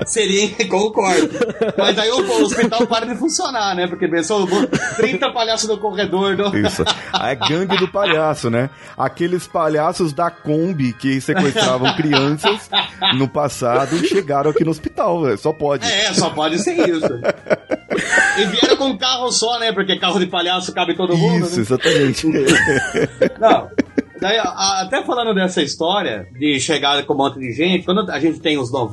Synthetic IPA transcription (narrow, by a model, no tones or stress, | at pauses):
seɾiɐ̃kõkɔɾd̪ʊmɐzd̪aiʊpoospit̪awpaɾɐd̪ɪfũsionaɾnɛpoɾkepẽsobõt̪ɾĩnt̪ɐpaʎasʊzʊkoʁed̪oɾnɐ̃ḭsʊ̰ɛɡɾɐ̃d͡ʒɪd̪ʊpaʎasʊnɛ | a̰kelɪspaʎasʊzd̪ɐkõbɪkɪsewest̪ɾavɐ̃w̃kɾiɐ̃sɐsnʊpasad̪ʊʃeɡaɾɐ̃w̃akinʊospit̪awvɛsɔpɔd͡ʒɛsɔpɔd͡ʒɪseɾisʊ | ɪviɛɾɐ̃w̃kõũkahʊsɔnɛpoɾk̬ekahʊd͡ʒɪpaʎasʊkabɪt̪od̪ʊũid̪ʊnɛʊezat̪ɐmẽnt͡ʃɪ | nɐ̃w̃d̪aiʔaat̪ɛfalɐ̃nd̪ʊd̪ɛsɐist̪ɔɾiɐ̰d͡ʒɪʃeɡaɾkõmõnt̪ʊd͡ʒɪʒẽnt͡ʃɪkwɐ̃nd̪ʊɐʒẽnt͡ʃɪ̥t̪ẽj̃ʊznɔv